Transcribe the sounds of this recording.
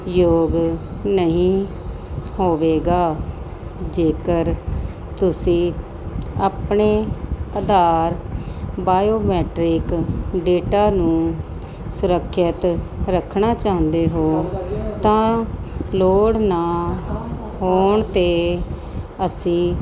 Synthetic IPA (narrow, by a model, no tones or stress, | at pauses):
joːɡnəɦĩː | hoːʋeːɡaː | d͡ʒeːkəɾ | t̪ʊsĩː | aːpɳeːəd̪aːɾbaːjoːmɛːʈɾɪkɖeːʈaːnũː | sʊɾəkʰːət̪ɾəkʰːɳaːt͡ʃãːnd̪eːɦoːt̪ãː | loːɽnaː | ɦoːɳt̪eː | əsĩː